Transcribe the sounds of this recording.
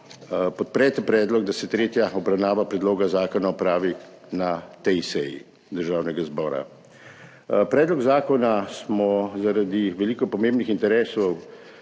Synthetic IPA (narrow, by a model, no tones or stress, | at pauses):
pɔt̪̚pɾɛːt̪ɛpɾɛːd̪lɔɡd̪asɛt̪ɾeːt̪jaɔbɾawnaːʋapɾɛd̪loːɡazaːkɔnaɔpɾaːʋi | nat̪ɛjsɛjḭ | d̪əɾʒaːwnɛɡazbɔːɾa̰ | pɾɛːd̪lɔɡzaːkɔnasmɔzaɾad̪iʋɛliːkɔpɔmẽːmbnixint̪ɛɾeːsɔw